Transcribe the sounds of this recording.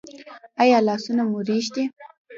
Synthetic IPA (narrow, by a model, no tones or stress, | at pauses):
ajɑlɑsunamuɾiʃd̪i